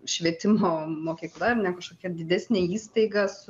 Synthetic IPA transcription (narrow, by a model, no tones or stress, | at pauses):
ʃʲʋʲiɛt̪ʲɪmoːmoːkʲiːklˠɐnʲɛkɐʃkoːkʲɛd̪ʲɪd̪ʲæsʲnʲeːiːst̪ɐɪɡɐsʊ